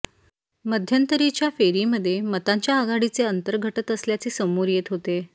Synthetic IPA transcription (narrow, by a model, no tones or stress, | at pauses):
məd̪ʱjənt̪əɾit͡ɕjafeɾiːməd̪ʱːjemət̪aɲt͡ɕjaəɡaɽit͡seənt̪əɾɡʱəʈət̪əsljat͡seːsəmuɾjet̪ɦot̪e